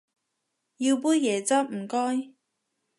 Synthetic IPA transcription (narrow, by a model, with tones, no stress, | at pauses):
ji˧wp̬uː˥njɛː˨˩t͡sɐ˥p̚m̩˨˩kɔː˥j